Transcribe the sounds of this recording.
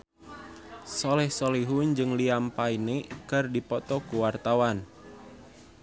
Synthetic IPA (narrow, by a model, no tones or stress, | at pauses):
sɔlɛhsɔliɦund͡ʒɨŋliampainekɨrdipɔt̪ɔkuwart̪awan